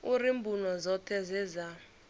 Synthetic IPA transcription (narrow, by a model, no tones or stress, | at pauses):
urimbʱunɔzɔtʰɛzɛza